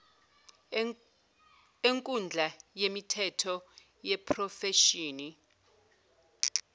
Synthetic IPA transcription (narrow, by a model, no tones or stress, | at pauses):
eŋkʼund͡ɮʱajemitʰɛtʰɔ | jɛpʰrɔfɛʃiːni